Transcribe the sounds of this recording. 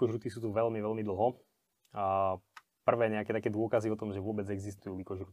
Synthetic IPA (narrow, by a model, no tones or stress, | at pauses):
kɔʒɾut̪isuːt̪uʋɛlmiʋɛlmid̪l̩ˠɦɔ | pr̩ʋɛːɲɛakɛt̪akɛːd̪ʊɔkaziɔt̪ɔmʒɛʋʊɔbɛd͡zɛɡzist̪ujuːlikɔʒɾut̪i